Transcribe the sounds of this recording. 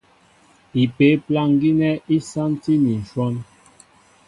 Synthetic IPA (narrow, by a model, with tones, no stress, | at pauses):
i˨pe˨˦pla˦ŋ˦ɡi˦nɛ˦ʔi˦sa˦nti˦ni˨n̩˨ʃwɔ˦n